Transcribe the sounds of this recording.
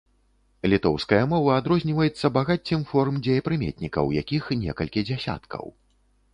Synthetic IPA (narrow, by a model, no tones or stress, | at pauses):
lʲit̪ɔwskɐjɐmɔvɐad̪ɾɔzʲnʲivɐjɛt̪sːɐbaɣat͡sʲːɨmfɔɾmd͡zʲejɐpɾɨmʲḛt̪ʲnʲikɐ̰wja̰kʲixnʲɛkɐlʲkʲid͡zʲasʲa̰t̪kʰɐ̰w